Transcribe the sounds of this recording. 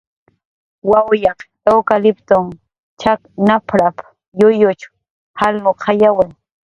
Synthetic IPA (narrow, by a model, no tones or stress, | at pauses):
wawjɑqt̪ʼawkalɪpt̪ʊŋ | t͡ʃaknapʰɾap | jʊjʊt͡ʃ | halmoqʰɑjawɪŋ